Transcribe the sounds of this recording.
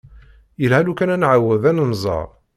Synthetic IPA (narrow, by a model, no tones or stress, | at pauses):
jəlhælukænænʕawəðænənzˤɑ̰ɾˤ